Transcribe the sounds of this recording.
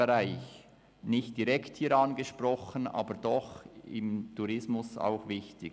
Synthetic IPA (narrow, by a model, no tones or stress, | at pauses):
eɾaɪç | nɪçt̚d̥iɾɛkthiːɾɑnɡəʃprɔxənɑ̰ːbəɾd̥ɔxɪ̰mtʰuɾɪsmʊsa̰ʊxvɪçtɪ